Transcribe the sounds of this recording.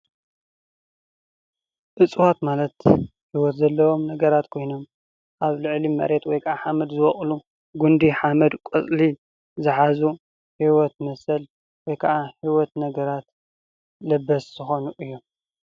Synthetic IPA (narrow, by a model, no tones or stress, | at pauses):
ʔɨt͡sʼwat̪malɐt̪ | ħiwɔt̪zɐlːɐwomnɐɡɐɾat̪kʰo̞jno̞m | ʔaβlɨʕlimɐ̰ɾet̪wɔjkʰaʕaħamɐd̪zɨwɔχʼlu | ɡund̪iħamɐd̪kʼɨt͡sʼli | zɨħazu | ħiwɔt̪mɐsɐl | wɔjkʰɐʕaħiwɔt̪nɐɡɐɾat̪ | lɐbːɐsz̥ɨxo̞nuʔɨjːu